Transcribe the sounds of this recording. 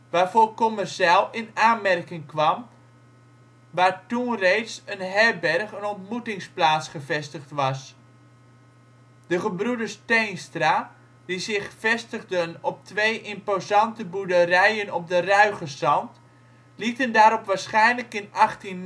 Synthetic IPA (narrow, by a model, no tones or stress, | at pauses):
ʋaːrvoːrkɔmɛrsalˠɪnaːnmɛrkɪŋkʋɑm | ʋaːɹtunrejtsənɦɛbɛrχənɔntmutɪŋsplaːtsχəvɛstəχtʋɑs | dəχəbrudərstejnstraː | d̥izɪχfɛstəɣdənɔp̚tʋejʔɪmpozɑntəbudərɛjənɔp̚dərœɥχəsɑnt | litəndaːɾɔpʋaːɹsχɛjnləkɪnɑχtin